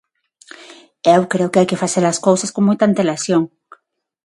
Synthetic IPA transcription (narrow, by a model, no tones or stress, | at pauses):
ewkɾeokeajkefaseɾaskowsaskoŋmojt̪aːnt̪elasjoŋ